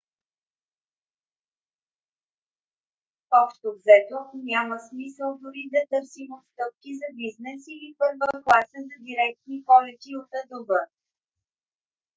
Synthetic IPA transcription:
ɔʃt̪ovzɛt̪onʲaməsmisəlˠd̪ʊɾid̪ɐt̪ɤɾsimot̪st̪ɤp̚kizɐbiznɛsilipɤɾvəklˠasəzɐd̪iɾɛk̚t̪nipɔlɛt̪iot̪əd̪obɤ

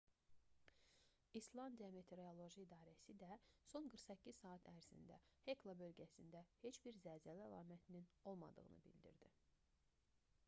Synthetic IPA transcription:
islˠɑnd̪iɑme̞t̪ʰe̞ɾolˠo̞ʒiːd̪ɑːɾæsid̪æso̞nɡɯɾχsæcʰːiz̥sɑːɑt̪ʰæɾz̥ḭnd̪æhe̞klˠabø̞lɟæsind̪æhe̞t͡ʃbiɾzæzæliælˠɑ̰ːmæt̪ʰinino̞lˠmɑ̰d̪ɯ̰ɣɯ̰nɯ̰bḭld̪ḭɾd̪i

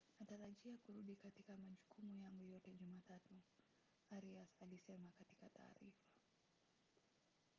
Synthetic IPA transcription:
nataɾaʄiakuɾuɗikatikamaʄukumujaŋɡujɔtɛʄumaːtatu | aɾiasalisɛmakati̥katʰa̰ːɾifḁ

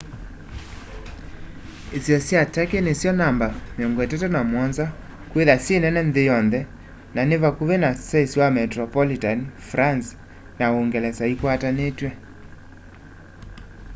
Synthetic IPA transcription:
esiɔsiatakenesjɔnambameɔŋɡɔetɛtɔnamwɔnza | kweðasenɛnɛnðejɔnðɛ | nanevakuβenasaesiwamɛtɾɔpɔlitanfɾans | naoŋɡɛlɛsaikwatanetwɛ

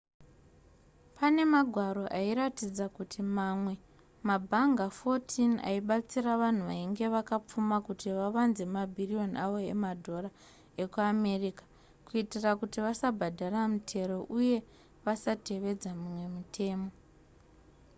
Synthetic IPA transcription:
pane̞maɡʱwaɾo̞ʔaiɾatid͡zakutʰimamwe̞ | mabʱaŋɡafo̞tʰina̰iɓat͡siraʋan̤uʋaiŋɡe̞ʋakap͡fumakutiʋaʋanze̞mabʱirio̞naʋo̞ḛmadʱo̞ra | e̞kuame̞rikḁ | kuitirakutiʋasabʱadʱaramutʰe̞ɾo̞ʔuje̞ | ʋasate̞ʋe̞d͡zamumwe̞mutʰe̞ːmo̞

